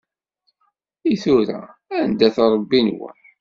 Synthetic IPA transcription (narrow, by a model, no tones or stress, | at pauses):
iθʊɾæ̰ænd̪æθɑɾˤəbːinwæ̰